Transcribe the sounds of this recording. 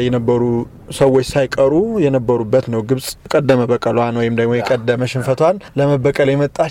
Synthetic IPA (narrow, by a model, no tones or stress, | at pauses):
jɛnəbːəɾu | səwot͡ʃːsajkʼəɾujɛnəbːəɾubːət̪nəwɡɨβsʼkʼəd̪ːəməbəkʼəlwanwɔjɪmd̪əɡmo̞jɛkʼəd̪ːəməʃɪnfət̪ʰwanləməbəkʼəljɛmət̪ʼːa